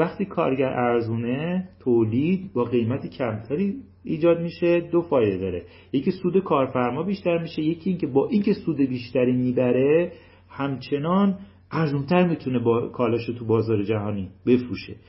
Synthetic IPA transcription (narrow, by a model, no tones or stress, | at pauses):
æχt̪ʰiːkʰɒ̰ːɾɟæɾʔæɾzuːnet̪ʰoːliːd̪̚bɒːɣe̞jmæt̪ʰecʰæmt̪ʰæɾiː | iːd͡ʒɒːd̪miːʃe̞d̪ofɒːjd̪e̞d̪ɒːɾe̞ | jecʰisuːd̪e̞kʰɒːɾfæɾmɒːbiːʃt̪æɾmiːʃe̞je̞cʰiiːŋcʰe̞bɒːʔiːŋcʰe̞suːd̪e̞biːʃt̪æɾiːmiːbæɾe̞ | hæmt͡ʃʰe̞nɒːn | æɾzumt̪ʰæɾmit̪ʰune̞bɒkʰɒːlɒːʃot̪ʰubɒːzɒːɾe̞d͡ʒæɦɒːniːbe̞fɾuːʃe̞̰